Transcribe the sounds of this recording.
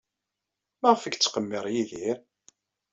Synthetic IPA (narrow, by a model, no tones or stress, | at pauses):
mæʁəfəkt͡sːqəmːɪɾˤjiðiɾ